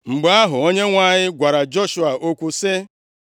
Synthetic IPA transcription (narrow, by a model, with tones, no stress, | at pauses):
ŋ͡m̩˨ɡ͡ba˦a˦ɦʊ˨o˦ɲe˦ŋʷa˦˨ɲɪ˦ɡʷa˨ɾa˨d͡ʒo˦ʃu˦a˨ʔo˦kʷu˦sɪ˦